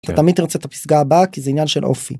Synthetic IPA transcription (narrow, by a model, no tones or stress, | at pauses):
t̪at̪amid̪niʁot͡set̪api̥sɡaːbakizeinjanʃelʔo̞̰fḭ